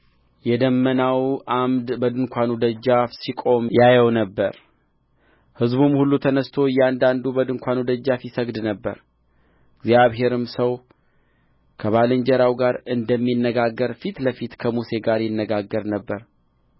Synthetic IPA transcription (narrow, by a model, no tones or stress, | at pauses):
jɛd̪əmːənawʔamd̪bəd̪ɨŋkʷanud̪əd͡ʒːafsikʼo̞mjajəwnəbːəɾ | hɨzbumhulːut̪ʰənəst̪ʰo̞jɛand̪and̪ubəd̪ɨŋkʷʰanud̪əd͡ʒːafjɪsəɡd̪nəbːə̰ɾ | ɡzjaβɦe̞ɾɨmsəw | kʰəβalɨɲd͡ʒəɾawɡaɾɨnd̪əmːinːəɡaɡːəɾfit̪ləfit̪kʰəmuse̞ɡaɾjɪnːəɡaɡːəɾnəbːəɾ